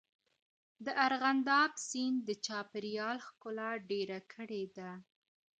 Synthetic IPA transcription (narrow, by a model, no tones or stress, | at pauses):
d̪əʔaɾɣand̪ɑbsind̪ət͡ʃɑpɪɾjɑlxkʊlaɖeɾakʰəɽed̪a